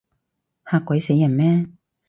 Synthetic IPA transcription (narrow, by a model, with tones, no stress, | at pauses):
haː˧kːʷɐ˨˥jse˨˥jːɐ˨˩nmɛː˦˥